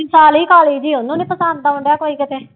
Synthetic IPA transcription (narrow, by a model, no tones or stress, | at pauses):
ɪsaːliːkaːleːd͡ʒiːʊnũːnẽːpəsənd̪̚aʊɳɖejaːkoːiːkɪt̪eː